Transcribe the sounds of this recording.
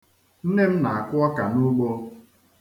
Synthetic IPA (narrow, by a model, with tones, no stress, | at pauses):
n̩˦ne˦m̩˦na˨a˨kʷʊ˦ɔ˦ka˨nʊ˦ɡ͡bo˦